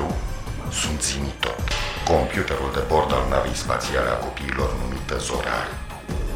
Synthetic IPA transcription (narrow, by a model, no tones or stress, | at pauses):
ewsunt̪zimit̪o̞̰t̪ko̞mpjut̪eɾuld̪ebo̞rd̪alnavejspa̰t̪sialea̰ko̞piːlo̞rnumit̪əzo̰ɾa̰ɾ